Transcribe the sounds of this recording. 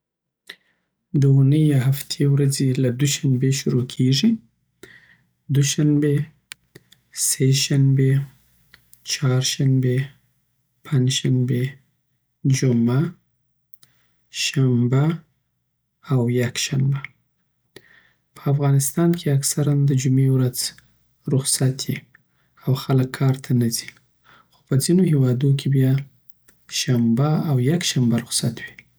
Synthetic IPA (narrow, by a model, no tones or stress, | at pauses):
d̪əunəjaɦaft̪ʰewɾazelad̪uʃanbeʃʊɾokʰeʐi | d̪uʃambe | seʃanbe | t͡ʃɑɾʃambe | pʰand͡ʒʃambe | d͡ʒʊma | ʃamba | wjakʃamba | pʰəafɣɑnɪst̪ɑnkʰeaksaɾand̪əd͡ʒumewɾad͡z | ɾʊxsat̪ʰji | awxaləkʰːɑɾt̪ʰanazi̥ | xo̥pəd͡zinohewɑd̪ok̬ʰebjɑ | ʃambaawjakʃambaɾʊxsat̪wi